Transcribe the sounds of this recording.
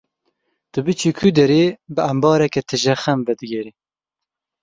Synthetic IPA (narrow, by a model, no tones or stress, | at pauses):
t̪ɨbɨt͡ʃʰikʰyd̪ɛɾeːbɨɐmbɑːɾɛkɛt̪ʰɨʒɛxɛmvɛd̪ɨɡʲɛɾi